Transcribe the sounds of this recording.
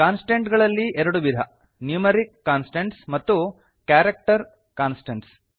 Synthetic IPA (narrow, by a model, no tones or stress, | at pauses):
kaːnsʈeɳʈɡɐɭɐlːiʔɛɾɐɽuʋid̪ʱɐ | njuːmeɾikːaːnsʈeɳʈsmɐt̪ːu | kjaːɾek̚ʈɐɾ | kaːnsʈeɳʈs